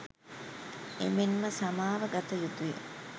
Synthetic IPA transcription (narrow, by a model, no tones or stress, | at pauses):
ḛmenməsamaːʋəɡat̪əjud̪ujə̰